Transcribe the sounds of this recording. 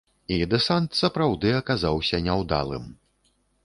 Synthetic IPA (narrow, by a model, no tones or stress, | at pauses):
id̪ɛsant̪sɐpɾawd̪ɨɐkazawsʲɐnʲɛwd̪a̰lˠɨ̰m